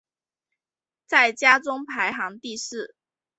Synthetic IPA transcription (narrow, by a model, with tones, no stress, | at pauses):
t͡sa˥˩ɪt͡ɕja˥t͡sʊ˥ŋpʰa˧˥ɪxɑ˧˥ŋt̪i˥˧ʂɻ̩˥˩